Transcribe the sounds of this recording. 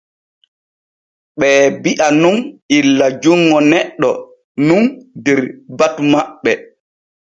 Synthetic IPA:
ɓɛːbiʔanunʔilːad͡ʒuŋːɔnɛɗːɔ̰ | nundɛɾbatmaɓːɛ

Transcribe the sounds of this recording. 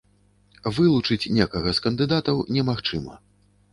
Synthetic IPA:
vɨlˠut͡ʂɨt͡sʲnʲekɐɣɐskɐnd̪ɨd̪at̪ɐwnʲɛmaxt͡ʂɨmɐ̰

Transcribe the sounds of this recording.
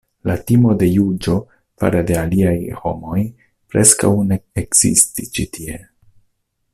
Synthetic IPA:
latimo̞de̞jud͡ʒo̞ | fa̰ɾade̞aliajho̞mo̞j | pɾe̞ska̰wne̞eɡz̥ḭstit͡ʃitʰie̞

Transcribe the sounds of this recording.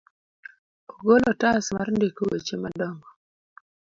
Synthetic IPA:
oɡolɔtasmarndekowet͡ʃemadɔŋɡɔ

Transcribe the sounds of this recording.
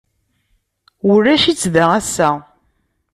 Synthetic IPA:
ʊɾːæʃit͡sːðææsːæ

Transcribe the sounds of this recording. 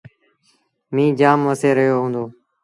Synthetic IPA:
mĩːd͡ʒaːmʋəseːɾəɦjoːɦũːnd̪oː

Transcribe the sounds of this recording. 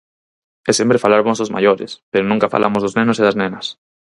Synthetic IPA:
ɛsempɾefalaɾβɔsozma̰ʎoɾɪ̰speɾonũŋkafa̰lʔa̰mozðoznenʊseðaznenɐs

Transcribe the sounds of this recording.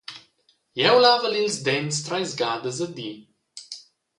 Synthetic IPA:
jɛwlavəlilzd̪ɛnst̪ɾajzɡaːd̪əzəd̪i

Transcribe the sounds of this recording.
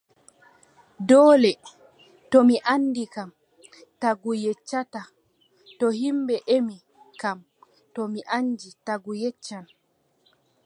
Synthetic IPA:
dɔːlɛ | tɔmiʔanːdikam | taɡujɛt͡ʃːata | tɔhimbɛʔemi | kam | tɔmiʔand͡ʒitaɡujɛt͡ʃːan

